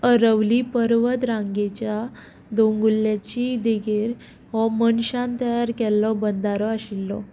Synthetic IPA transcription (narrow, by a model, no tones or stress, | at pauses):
əɾəʋlipəɾʋət̪ɾãŋɡet͡ɕja | d̪oŋɡulːjat͡ɕid̪eɡʱeɾ | ɦɔmənɕãnt̪əjaɾkɛlːɔbənd̪aɾɔaɕilːɔ̰